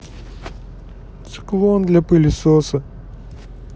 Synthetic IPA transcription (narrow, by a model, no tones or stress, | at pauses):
t̪sɨ̥klˠond̪lʲɐpɨlʲɪsosə